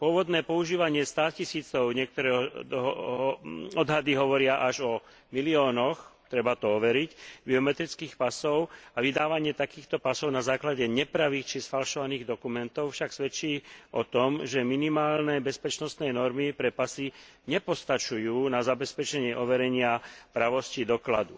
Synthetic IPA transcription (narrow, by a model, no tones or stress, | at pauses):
pʊɔʋɔd̪nɛːpɔuʒiːʋaɲɪɛst̪aːcisiːt͡sɔʊɲɛk̚t̪ɔɾɛːɦɔd̪ɦ | ɔd̪ɦad̪iɦɔʋɔɾɪaʔaʒɔ | miliɔːnɔxt̪ɾɛbat̪ɔɔʋɛɾicbiɔmɛt̪ɾit͡skiːxpasɔʊaʋid̪aːʋaɲɪɛt̪akiːxt̪ɔpasɔʊnazaːklaɟɛɲɛpɾaʋiːxt͡ʃisfalʃɔʋaniːɣd̪ɔkumɛnt̪ɔʊfʃaksʋɛt͡ʃiːʔɔt̪ɔmʒɛminimaːlnɛbɛspɛt͡ʃnɔst̪nɛjnɔɾmipɾɛpasi | ɲɛpɔst̪at͡ʃujuːnazabɛspɛt͡ʃɛɲɪɛʔɔʋɛɾɛɲɪapɾaʋɔscid̪ɔklad̪u